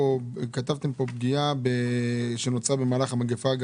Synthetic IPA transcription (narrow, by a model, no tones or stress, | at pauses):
okat̪avt̪e̞mpo̞b̚ɡijabeʃenot͡sabe̞maːlaχamaɡefaɡ